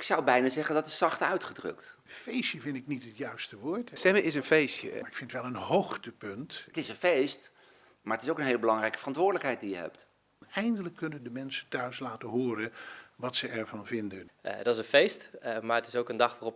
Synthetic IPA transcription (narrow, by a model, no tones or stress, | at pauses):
ɪksʌwbɛjnaːzɛχəndɑtɪssɑχtœɥtχədrɵ̰ktfejsjəvɪntɪknitɦətjœɥstəʋʊːɹtsɛməʔɪs̬ənfejstjə̰ɪkfɪntʋɛlˠənɦoχtəpɵnttɪsənfejst | maːɹətɪsowkənɦejləbəlɑŋrɛjkə̥vərɑntʋʊːɹdələkɦɛjt̚dijəɦɛ̰p̚t | ɛjndələkːɵnəndəmɛnsəntœɥslaːtəɦʊːɾəʋɑtsəɛɹvɑnvɪndəndɑtɪsənfejstmaːɹətɪsowkəndɑχʋaːrɔp